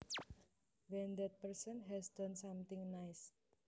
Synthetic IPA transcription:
wɛnd̪ɛt̪̚pərsənɦɛsdɔnsamt̪ɪ̃ŋnajs

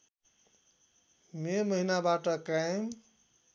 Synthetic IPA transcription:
meməɦinabaʈʌkajm

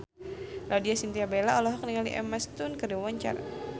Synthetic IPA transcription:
lʔadiasint̪iabelaɔlɔɦɔk̚niŋaliʔɛ̰mast̪unkəriwaɲt͡ʃa̰r

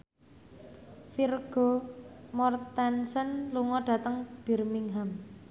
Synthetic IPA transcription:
firɡ̥o̤mɔrt̪ɛnsənluŋɔɖ̥ä̤t̪əŋb̥i̤rmiŋɦam

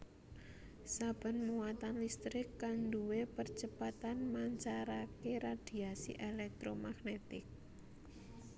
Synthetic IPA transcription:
sab̥ə̤nmuwat̪anlist̪ɾɪkːanduwepərt͡ʃəpat̪anmaɲt͡ʃaɾakeɾad̪̥i̤asḭʔelɛk̚t̪ɾomaɡnet̪ɪk̚

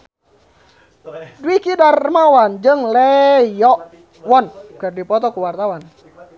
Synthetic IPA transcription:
dwikidarːəmawand͡ʒɨŋlejɔʔ | wɔnkɨrdipɔt̪ɔkuwart̪awan

